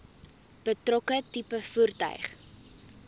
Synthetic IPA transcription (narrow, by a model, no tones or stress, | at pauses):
b̥ətrɔkətipəfurtœ̰ɥχ